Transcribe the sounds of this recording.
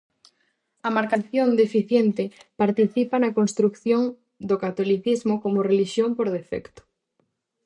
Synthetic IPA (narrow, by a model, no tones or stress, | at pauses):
ɐmaɾkanθjond̪efiθjent̪ɪpaɾt̪iθipanɐkonst̪ɾukθjoŋ | d̪okat̪oliθizmʊkomʊreliʃjompoɾð̞efɛ̰kt̪ʊ̥